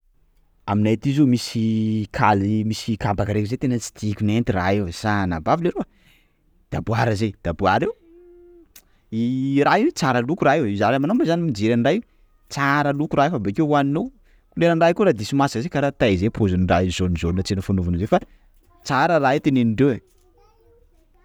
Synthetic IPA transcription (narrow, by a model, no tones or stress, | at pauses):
aminat̪izumisikʰalimisikambakaɾekizet̪enət͡si̥t̪ikʲunent̪ira̰ɦewsana̰bavleɾo | d̪̥abuaɾəzed̪̥abuaɾew | iɾaɦet͡saɾalukuɾaɦeizaɾamanombazanimid͡ʒeɾaɳɖ͡ʐaj | t͡saɾəlukuɾaefabekewwaninow | uleɾaɳɖ͡ʐajkuɾad̪isimasḁkzekaɾat̪ajzepʰozuniɖ͡ʐaizonizonnət͡senəfanuvunzefa | t͡saɾəraet̪eneniɳɖ͡ʐewe